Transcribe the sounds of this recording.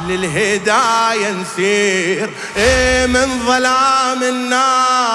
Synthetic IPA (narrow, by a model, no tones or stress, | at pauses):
lɪlɦɪd̪aːjansiːɾ | ʔeːmɪnðˤɑlaːmɪnːaː